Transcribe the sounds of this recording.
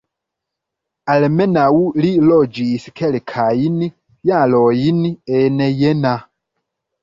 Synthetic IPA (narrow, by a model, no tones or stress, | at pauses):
alɛmɛnawulilɔd͡ʒiːsikʰɛlɛkʰajini | jalɔjiniɛnɛjɛna